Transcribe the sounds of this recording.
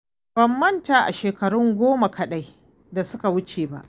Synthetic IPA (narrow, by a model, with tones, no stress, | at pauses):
b̥ɐ˨mːɐ˦ntaː˨ʔa̰˨ʃeː˨kɐ˨ɽʊ˦ŋɡʷoː˦ma˨kʰɐ˨ɗa˦j | da˨sʊ˦ka˨wʊ˦t͡ʃeː˨ba̰˦ʔ